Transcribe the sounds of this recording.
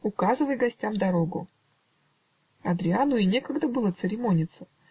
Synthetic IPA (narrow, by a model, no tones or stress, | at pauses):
ʊkazɨvəjɡɐsʲtʲamd̪ɐɾo̞ɡʊ̰ | ɐd̪ɾʲɪanʊinʲe̞kəɡd̪əbɨlˠət̪sɨɾʲɪmo̞nʲɪt̪sə̥